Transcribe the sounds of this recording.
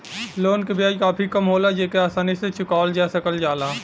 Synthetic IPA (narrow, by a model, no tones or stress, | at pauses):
loːnkebʱiaːd͡ʒkaːpʰikəmɦoːlad͡ʒeːkeaːsaːniset͡ʃʊkaːld͡ʒɛːsəkəld͡ʒaːlaː